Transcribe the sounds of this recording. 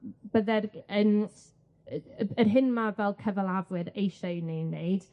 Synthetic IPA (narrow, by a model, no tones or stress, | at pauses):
b̥əðɛrən | ərɦɪnmavɛlˠkʰəvəlˠavwɨɾejʃajnejnːeɨd̥